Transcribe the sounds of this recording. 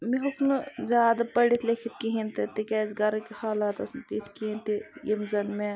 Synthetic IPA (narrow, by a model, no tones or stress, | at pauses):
miɦukʰnɨzʲaːd̪ɐpɐɽit̪ʰlekʰit̪̚kiɦint̪it̪ikʲaːzɡɐɾkihaːlat̪ɐsnt̪it̪kiint̪ijimzɐnme